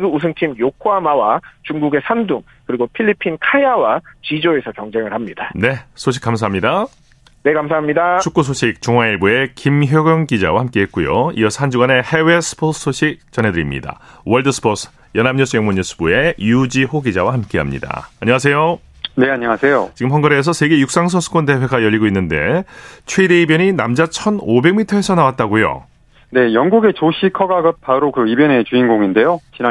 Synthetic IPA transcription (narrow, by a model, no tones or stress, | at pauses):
ɡuus̬ʰɯŋt͡ɕʰimjokʰoamawat͡ɕuŋɡuɡe̞sʰanduŋ | kɯɾiɡopʰiʎːipʰinkʰajawat͡ɕid͡ʑoe̞sʰʌkjʌŋd͡ʑe̞ŋɯɭhamɲidane̞sʰoɕ̬ʰik͈ːams̬ʰaɦamɲida | ne̞kams̬ʰaɦamɲidat͡ɕʰuk͈us̬ʰoɕʰik̚t͡ɕuŋɦwaiɭbue̞kimçjoɡjʌŋkid͡ʑawahamk͈e̞ɦe̞t̚k͈ujo̰ḭjʌsʰʌhand͡ʑuɡane̞he̞wesʰɯ̥pʰo̥s͈ʰoɕʰik̚t͡ɕ͈ʌne̞dɯɾimɲḭda̰wʌɭdɯsʰɯ̥pʰos͈ʰɯ̥ | jʌnamɲusʰɯjʌŋmoɲːus͈ʰɯ̥bue̞jud͡ʑiɸoɡid͡ʑawahamk͈e̞ɦamɲḭda̰ːɲʌŋas̬ʰe̞jo | ne̞aɲiŋasʰe̞jot͡ɕiɡɯmɦʌnɡʌɾes̬ʰʌsʰe̞ɡe̞juk̚s͈aŋs̬ʰʌsʰɯ̥kʰonte̞pwe̞ɡajʌʎːiɡoinːɯnde̞̰t͡ɕʰwedeibjʌɲinamd͡ʑat͡ɕʰʌnobe̞ɡmitʰʌe̞sʰʌnawat̚t͈aɡojo̰ | ne̞jʌŋɡuɡe̞t͡ɕoɕʰikʰʌɡaɡɯp̚pʰaɾokɯibjʌne̞t͡ɕuinɡoŋinde̞jot͡ɕina